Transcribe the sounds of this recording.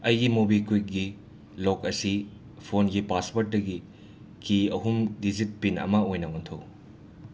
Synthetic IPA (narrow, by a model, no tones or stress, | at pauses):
ɐjɡimobikwik̚ɡi | lokɐsi | pʰonɡipaspoɾt̚dɐɡi | kiɐɦumdizit̚pinɐ̰mɐojnɐontʰow